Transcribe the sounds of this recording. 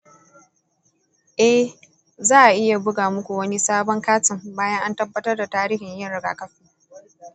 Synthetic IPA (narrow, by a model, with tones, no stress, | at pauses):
ʔɛ˦h | zaː˦ʔa˨ʔɪ˦ja˨bʊ˦ɡaː˨mʊ˦kʷu˨wɐ˦ni˦saː˦bɔ˦ŋkaː˦tɪ˨mbaː˦jɐ˦ŋʔa˦ntɐ˦bːɐ˦tɐ˦rda˨taː˦ɾiː˦hɪ˨ɲjɐ˦ɽɪ˨ɡa̰ː˨kɐ˦ɸiː˦